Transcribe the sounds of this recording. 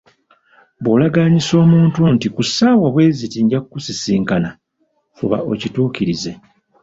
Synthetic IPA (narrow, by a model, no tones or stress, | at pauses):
boːlaɡaɲiso̞ːmuːntuntikusaːwaβwe̞ːzitiɲɟakukusisiːŋkana | fṵβa̰o̰cituːciɾize̞